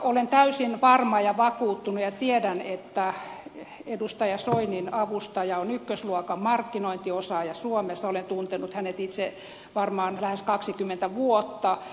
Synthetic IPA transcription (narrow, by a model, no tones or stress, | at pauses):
olent̪æysinʋɑrmɑjɑʋɑkuːt̪ːunujɑt̪iedænet̪ːæ | edust̪ɑjɑsoininɑʋust̪ɑjɑonykːøsluokɑmɑrkːinoint̪iosɑːjɑsuomesːɑolent̪unt̪enut̪hænet̪it̪se | ʋɑrmɑːnlæheskɑksikymːent̪æʋuot̪ːɑ